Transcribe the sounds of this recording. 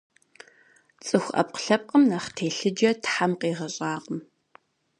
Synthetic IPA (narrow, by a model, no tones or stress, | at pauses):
t͡sʼɨxʷʔɐ̰p̚qə̥ɬɐp̚qəmnaχtʰeːɬɨd͡ʒɐtħamqiːʁɐɕʼaːqəm